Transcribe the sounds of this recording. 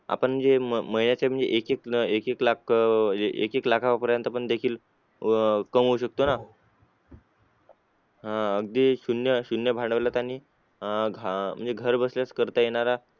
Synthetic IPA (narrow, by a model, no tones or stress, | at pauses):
a̰pəɳm̤ənd͡zeməɦinjat͡ɕam̤əɳd͡zḛʔekekekeklakeʔḛkeklakʰaʋapəɾjənt̪apəɳd̪ekʰiːl | kəmɦouɕək̚t̪ona | ɦãəɡ̚d̪iːɕunjəɕunjəbʱaɳɖəʋlat̪aniː | ɡʱm̤əɳd͡zeɡʱəɾbəsljaskəɾt̪ajeɽ̃aɾa